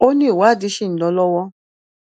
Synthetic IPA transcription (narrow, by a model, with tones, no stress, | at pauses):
o˦nĩ˦i˨wa˨˦˨di˨˧˦ʃĩ˦˨n̩˨lɔ˧˦lɔ˦wɔ˧